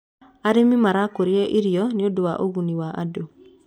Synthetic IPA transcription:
aɾemimaɾakoɾjɛʔiɾijɔniodowaʔoɣuniwaʔa̰do

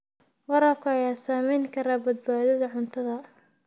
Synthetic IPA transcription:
wɐɾɐb̚kʰɐɐjaːsaːmɛjŋkʰɐɾaːbɐd̪̚baːðɐðɐʕʊnt̪ʰɐðɐ

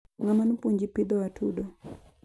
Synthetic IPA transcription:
ŋamanupuɲd͡ʒipid̪ɔwatʰudɔ

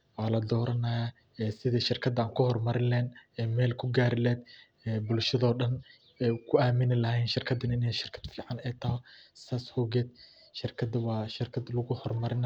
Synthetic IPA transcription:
wɑːlɐd̪ɔːɾɐnɐja | ɛːsɪðɐʃɪrkʰɐd̪aːŋkʰʊhɔrmɐɾɪlɛːnɛːmɛːlkʰʊɡaːɾɪlɛːd̪ | ɛbʊlʃɐðɔːɖɐn | ɛkʰʊaːmɪnɪlɐhɛjnʃɪrkʰɐd̪ɐnɪnɛjʃɪrkʰɐ̥d̪̥fiːʕɑnɛjt̪ʰɐɦɔsaːshɔɣɛːd̪ | ʃɪrkʰɐd̪ɐwɑːʃɪrkʰɐd̪lɐɣʊhɔrmɐɾɪn

